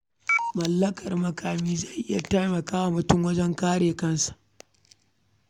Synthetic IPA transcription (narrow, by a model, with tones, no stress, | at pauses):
mɐ˨lːɐ˦kɐ˨rmɐ˨kaː˨miː˦zɐ˦˨jʔɪ˦ja˨ta˦jmɐ˨kaː˦wa˨mʊ˨tʊ˦ŋwɐ˦d͡ʒɛ˦ŋkaː˦ɽeː˨kɐ˦nsḁ˨ʔ